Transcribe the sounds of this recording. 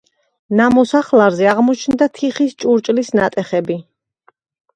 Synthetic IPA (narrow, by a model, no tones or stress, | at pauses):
namɔsaχlˠaɾzɛaʁmɔt͡ʃʰnd̪at̪ʰiχist͡ʃʼuɾt͡ʃʼlisnat̪ʼɛχɛbi